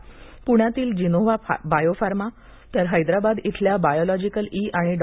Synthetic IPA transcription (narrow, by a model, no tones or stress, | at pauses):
puɳ̃jat̪iːld͡ʑinoʋabajofaɾma | t̪əɾɦəjd̪ɾabad̪it̪ʰljabajɔlɔd͡ʑikəliʔaɽ̃iɖ